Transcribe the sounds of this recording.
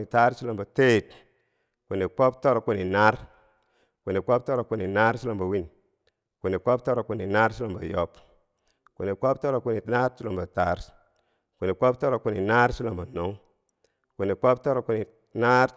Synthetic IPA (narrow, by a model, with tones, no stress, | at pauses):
i˨ta˦ɾsi˦lo˨mba˨te˦˨t | ku˨ni˨k͡po˦p̚to˦ɾo˨ku˨ni˨na˦ɾ | ku˨ni˨k͡po˦p̚to˦ɾo˨ku˨˦ni˨na˦ɾsi˦lo˨mba˨wi˦n | ku˨ni˨k͡po˦p̚to˦ɾo˨ku˨ni˨na˦ɾsi˦lo˨mba˨jo˦p | ku˨ni˨ko˦p̚to˦ɾo˨ku˨ni˨na˦ɾsi˦lo˨mba˨ta˦ɾ | ku˨ni˨k͡po˦p̚to˦ɾo˨ku˨ni˨na˦ɾt͡ʃi˦lo˨mba˨no˨˦ŋ | ku˨ni˨k͡po˦p̚to˦ɾo˨ku˨ni˨ | na˦ɾ